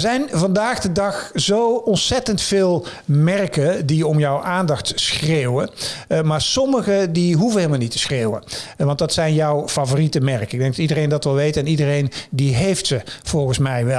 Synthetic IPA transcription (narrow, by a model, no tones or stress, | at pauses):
zɛjnvɑndaːɣdədɑxzowɔntsɛtəntfeːlˠ | mɛrkədiɔmjɔwʔaːndɑxtsxreːwəmaːɹsɔməɣədiɦuvəneːlˠmalˠnitə̥sreːwə̰ʋɑntdɑtsɛjnjɔwfavoːritəmɛɹkəɪɡ̚dɛŋɡdɑtidərejndɑtʋɛlˠʋejtəɛnidərejndiɦejftsəv̥ɔlˠɣənsmɛjʋɛ